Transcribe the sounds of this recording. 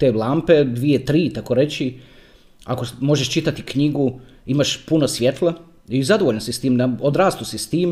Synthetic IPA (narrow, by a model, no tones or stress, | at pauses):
t̪eːlˠampe̞d̪ʋiet̪ɾiːt̪akoɾe̞t͡ɕi | a̰komo̞ʒeʃt͡ʃit̪at̪ikɲiɡu | imaʃpunosʋʲjet̪lˠa | izad̪oʋoʎnosist̪iːmd̪aod̪ɾaːst̪usist̪iːm